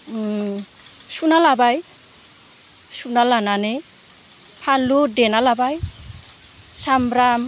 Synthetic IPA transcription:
sunalabaj | sunalanane | pʰaludenalabaj | sambɾam

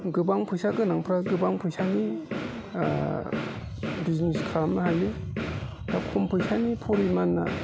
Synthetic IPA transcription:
ɡɯbaŋpʰɯjsaɡɯnaŋpʰɾaɡɯbaŋpʰɯjsani | bizniskʰaɾamnaɦali | dakʰɔmpʰɯjsanipʰɔɾimanːa̰

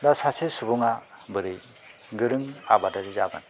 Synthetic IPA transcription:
dasasesubuŋabɯɾɯj | ɡɯɾɯŋa̰badaɾizaɡa̰n

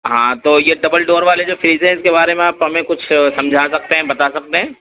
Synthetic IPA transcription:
ɦãːt̪oːjeɖɐbəlɖoːɾʋaːled͡ʒoːfɾiːzɦɛ̃ɪskebaːɾemẽaːpɦɐmẽkʊt͡ʃʰsɐ̃md͡ʒʱasɐk̚t̪eɦɛ̃bɐt̪asɐk̚t̪eɦɛ̃ː

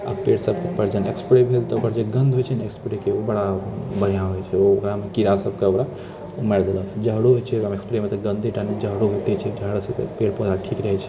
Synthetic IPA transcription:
a̰peɽsəbkepəɾd͡ʒənḛkspɽebʱelt̪əokaɾd͡ʒeɡə̃nd̪ʱɦojt͡ʃʰənekspɾekeobəɽabəɽ̤ijãɦojt͡ʃʰɛookɾamekiɾasəb̚ʱkeokɾa | mɛɽd̪eləd͡ʒəɦɽuɦojt͡ʃʰɛəmekspɾemet̪əɡə̃nd̪ʱiʈaned͡ʒəɦɽuɦot̪it͡ʃʰɛd͡ʒəɦɽset̪peɽpod͡ʒaʈʰikɾəɦɛt͡ʃʰɛ̥

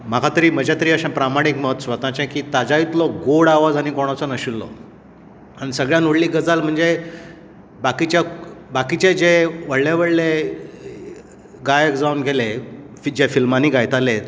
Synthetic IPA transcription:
m̤akʰat̪əɾiːm̤əd͡ʑat̪əɾiːəɕãpɾamaɽ̃ikməɦt̪sʋət̪ãt͡ɕɛ̃kiːt̪ad͡zait̪lɔkɡoɽaʋad͡zañikoɽ̃at͡sɔnəɕilːɔ̰ | añisəɡɭjãnuɽliːɡəd͡zalm̤əɳd͡ze | bakit͡ɕjabakit͡ɕed͡ʑeʋəɽleʋəɭle | ɡajekd͡zaunɡʱele | d͡ʑefilmaniːɡajt̪ale

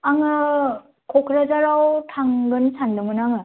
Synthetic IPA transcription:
aŋɯ | kʰɔkʰɾazaɾawtʰaŋɡɯnsandɯmɯnaŋɯ

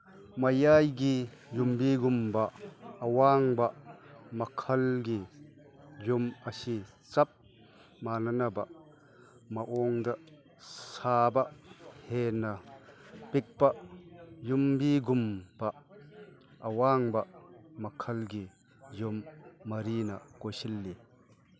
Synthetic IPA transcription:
mɐjajɡijumbiɡumbɐːwaŋbɐmɐkʰɐlɡi | jumɐsi | t͡sɐp̚ | manɐnɐbɐ | mɐʔɔŋd̪ɐ | sabɐʔhenɐ | pik̚pɐjumbiɡumb̥ɐ | ʔɐwaŋbɐmɐkʰɐlɡi | jumːɐɾinɐkojsilːi

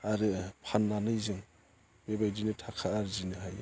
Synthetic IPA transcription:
aɾɯpʰanːanɯjzɯŋ | bebajdinɯtʰakʰaːɾzinɯɦaj

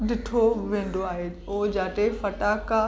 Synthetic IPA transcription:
ɗɪʈʰoʋẽːn̆d̪ʱoaːɦe | oːd͡ʑaːʈefɐʈaːka

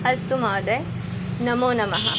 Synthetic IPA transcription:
ɐst̪umaːd̪e | nɐmoːnɐmɐɦɐ̰

